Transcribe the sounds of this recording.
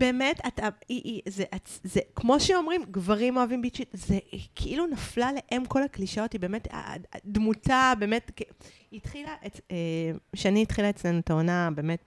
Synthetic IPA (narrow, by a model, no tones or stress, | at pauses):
b̥e̞ːme̞tataiʔizeʔazekmo̞ʃeo̞mʁimɡvaʁimo̞avimbit͡ʃitzekʰeʔilunaflale̞ʔe̞mko̞lakliʃao̞tibeːme̞ta̰dmutabeːmetke | it̪χilaʔeeʃeaniːtχilae̞t͡sle̞nuetaonabe̞ːme̞t̚